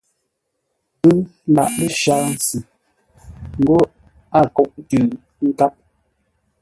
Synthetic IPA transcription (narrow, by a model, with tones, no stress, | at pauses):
bɨ˦la̰˨ʔlə˦ʃaː˦n̩˨sɨ˨ | ŋ̩˦ɡo˦ | a˦˨kɔ˦˨ʔtʉ˨ | ŋ̩˦ka˦p̚